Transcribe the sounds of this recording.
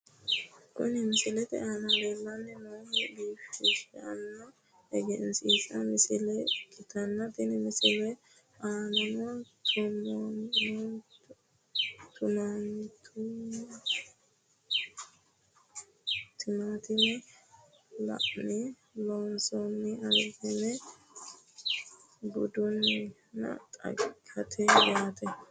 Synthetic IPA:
kʊ̰nɪmɪsɪlɛt̪ɛ̰ʔɐnɐɡelːɐnːɛnoːnɛbiːt̪ːɪʃɛɐ̰nːɐ | ɛɡɛnsiːsɐmɪsɪlɛkʼɪt̪ɐnːɐt̪ɪnɪmɪsɪlɛ | ʔaːnɐmʊt̪ʰʊmon | t̪ʊnant̪ʰʊ | t̪ɪmat̪ɪnɛ | lɐ̰ʔnɪ | lɔnsɔnːɪɐlɡɪnɛ | bʊd̪ʊnːɪ | nɐ̰t̪ʼɐ̰ɡʰɐt̪ʰɛjaːt̪ʰɛ

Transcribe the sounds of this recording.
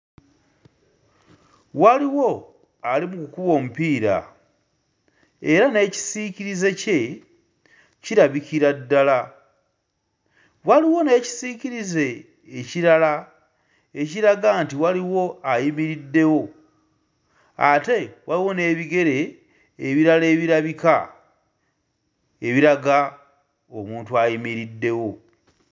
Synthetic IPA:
waliwo̞ | alimukukuβo̞ːmupiːɾa̰ | e̞ɾane̞ːci̥siːciɾize̞ce̞ | ciɾaβikiɾadːala | waliwo̞ne̞ːci̥siːciɾize̞ː | ciɾala | eciɾaɡantiwaliwo̞ajimiɾidːe̞wo̞ | ate̞waliwo̞ne̞ːβiɡe̞ɾe̞ː | βiɾale̞ːβiɾaβika | eβiɾaɡa | omuːntuajimiɾidːe̞wo̞

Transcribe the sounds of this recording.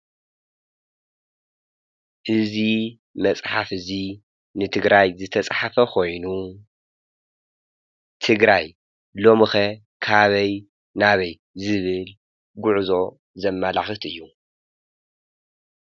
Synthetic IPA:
ʔɨzi | mɐt͡sʼħafɨzi | nɨt̪ʰɨɡɾajzɨt̪ʰɐt͡sʼħafɐkʰo̞jnu | t̪ʰɨɡɾaj | lo̞mɨxɐ | kʰaβɐj | naβɐj | zɨβɨl | ɡʊʕzo̞ | zɐmːalaxɨt̪ɨjːu

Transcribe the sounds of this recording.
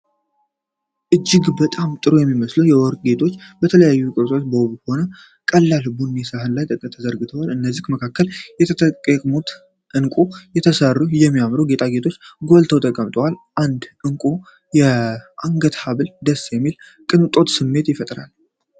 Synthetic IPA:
ʔɨd͡ʒːɪɡbət̪ʼamt̪ʼɨɾojɛmːiməslunjɛwɔɾkʼɡe̞t̪ʰo̞t͡ʃːbət̪ʰələjajːukʼɨɾt̪ʼʰo̞t͡ʃːbəwβho̞nə | kʼəlːalbunːesaɦɨnlajt̪ʼət̪ʼət̪ʰːəzəɾɡɨt̪ʰəwalɨnːəzːihməkʰakːəljɛt̪ʰkʼəkʼmut̪ | ʔɨnkʼujɛt̪ʰəsərːujɛmːijamɾuɡe̞t̪ʰʼaɡe̞t̪ʰo̞t͡ʃːɡolt̪ʰəwt̪ʰəkʼəmt̪ʰʼəwalʔand̪ʔɨŋkʼu | jɛʔaŋɡət̪haβɨld̪əsjɛmːil | kʼɨnt̪ʼo̞t̪sɨmːe̞t̪jɪfət̪ʼɾa̰l

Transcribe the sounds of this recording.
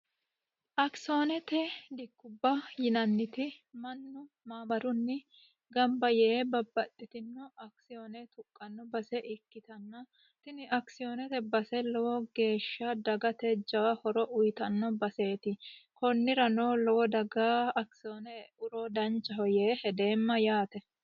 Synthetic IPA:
ʔɐksonɛt̪ɛd̪ɪkːʊbːɐjɪnɐnːɪt̪ɪmɐnːʊ | maːbɐɾʊnːɪ | ɡɐmbɐjɛːbɐbːɐt̪ʼːɪt̪ɪnːɔʔɐksɪjonɛt̪ʊkʼːɐnːɔbɐsɛʔɪkːɪt̪ɐnːɐ | t̪ɪnɪʔɐksɪjoːnɛt̪ɛbɐsɛlɔwɔɡe̞ːʃːɐd̪ɐɡɐt̪ɛd͡ʒɐwɐhɔɾɔʔʊjt̪ɐnːɔbɐse̞ːt̪ɪkɔnːɪɾɐnɔlɔwɔd̪ɐɡaɐksɪjonɛʊɾɔd̪ɐnt͡ʃʼːɐɦɔjeːhɛd̪e̞ːmːɐjaːt̪ɛ

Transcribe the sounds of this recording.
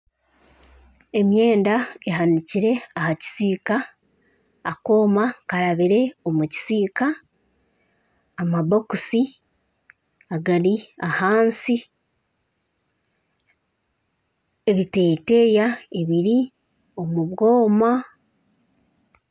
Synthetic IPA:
e̞mje̞ːndaeɦaniciɾe̞ahaci̥siːkaː | ko̞ːmakaɾaβiɾe̞o̞muci̥siːka | maβokusi | aɡaɾiahaːnsi | e̞βite̞ːte̞jaeβiɾi | o̞muβɡo̞ːma

